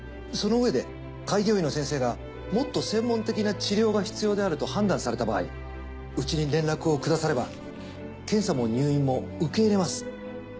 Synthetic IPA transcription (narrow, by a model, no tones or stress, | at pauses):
so̞no̞ɯ̟e̞d̪e̞ | kaiɡʲo̞ːino̞sẽ̞ɰ̃se̞ːɡa | mo̞t̪ːo̞sẽ̞mːõ̞nt̪e̞kʲinat͡ɕiɾʲo̞ːɡaçi̥t͡sɨjo̞ːd̪e̞aɾɯ̟t̪o̞hãnd̪ãɰ̃saɾe̞t̪aba̰ːḭ | ɯ̟t͡ɕiɲ̟iɾẽ̞nɾakɯ̟o̞kɯ̟d̪asaɾe̞ba | kẽ̞ɰ̃samo̞ɲ̟ɨːĩmːo̞ɯ̟ke̞iɾe̞masɨ̥